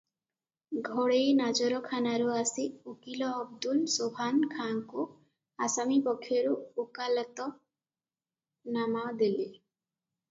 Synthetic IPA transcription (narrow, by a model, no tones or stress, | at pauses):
ɡʱɔɽejnad͡ʒɔɾɔkʰanaɾuasiukilɔːbd̪ulsobʱankʰaŋku | asamipɔkʰːjɔɾuukalɔt̪ɔ | namad̪ele